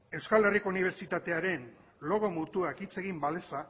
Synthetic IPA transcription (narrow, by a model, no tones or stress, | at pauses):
e̞wskale̞riko̞uniβ̞eɾt͡ʃit̪at̪e̞aɾe̞n | lo̞ɣo̞mut̪uakit͡se̞ɣimbale̞sa